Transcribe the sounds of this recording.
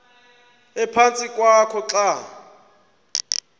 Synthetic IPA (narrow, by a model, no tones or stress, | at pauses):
ɛpʰant͡sʼikʼwakʰɔt͡ɬa